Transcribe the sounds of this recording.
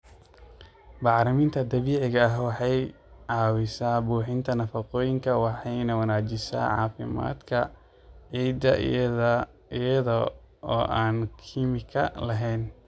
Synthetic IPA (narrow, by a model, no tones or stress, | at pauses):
bɑʕɾɪmiːnt̪ʰɐd̪ɐβiːʕɪɣɐɐɦwɑħɑj | ʕɑːwɪsaːbuːħɪnt̪ʰɐnɐfɐqɔːjɪŋkʰɐwɑħɑjnɐwɐnaːd͡ʒɪʃa̰ːʕɑ̰ːfɪ̰ma̰ːd̪kʰɐ̰ | ʕiːd̪ɐ̰ | jɐðɐ | ɔːʔaːnkʰiːmɪkʰɐ̰lɐɦɛːn